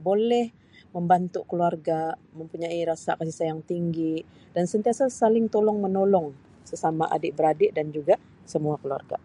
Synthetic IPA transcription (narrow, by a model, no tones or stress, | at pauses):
bolɛh | məmbant̪ukəluarɡaməmpuɲaiɾasa̰kas̬isajaŋt̪iŋɡi | dansənt̪iasasalɪŋt̪olɔŋmənolɔŋ | səsamaʔa̰dɪʔbəɾadɪʔdand͡ʒuɡa | səmuakəlua̰rɡa̰